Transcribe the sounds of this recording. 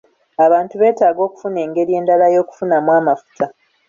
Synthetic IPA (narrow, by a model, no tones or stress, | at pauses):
aβaːntuβe̞ːtaːɡo̞ːku̥fune̞ːŋɡe̞ɾije̞ːndalajo̞ːku̥funamwaːmafu̥tʰa